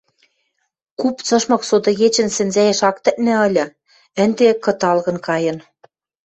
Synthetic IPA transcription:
kupt͡sɤ̆ʃmɤ̆ksod̪ɤ̆ɣet͡ɕɘ̆nsɘ̆nzæjĕʃɑk̚t̪ɘ̆ʔ̪̚nɘ̆ɤ̆lʲɤ̆ | ɘ̆nd̪ekɤ̆t̪ɑlɣɤ̆nkɑjɤ̆n

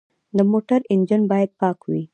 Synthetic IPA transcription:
d̪əmoʈaɾɪnd͡ʒənbɑjad̪̚pɑkwi

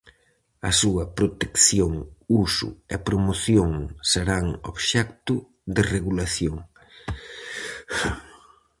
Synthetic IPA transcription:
ɐsuɐpɾot̪ekθjoŋusʊ̰ɛpɾomoθjoŋseɾaŋo̰βʃɛkt̪ʊ | ðɪreɣulaθjoŋ

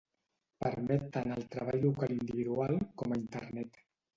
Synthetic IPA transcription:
pəɾmɛt̪ːanəlˠt̪ɾəβ̞aʎlukalind̪iβiðualˠkɔməint̪ə̰ɾnɛt̪

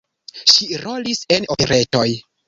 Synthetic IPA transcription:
ʃiɾo̞lise̞nopeɾe̞to̞j

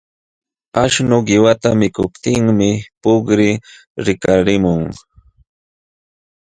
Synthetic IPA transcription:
aʃnʊɢɪwat̪amɪkʊpt̪ɪŋmɪpʊkɾɪ | ɾɪkaɾɪmʊŋ

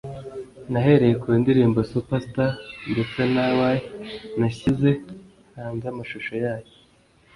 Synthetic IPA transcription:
naɦe̞ɾe̞jekwendiɾiːmbosupastandut͡senawajenaçize̞ | haːnzamaʃuʃo̞jaːjo

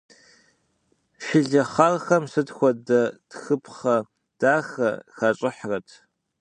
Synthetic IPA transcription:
ʃɪɮɐχarxɐmsɨtxʷɔdɐd̥xɨpʰχɐ | d̥aːxɐ̰xɐt͡ʃʼɪħrɐtʰ

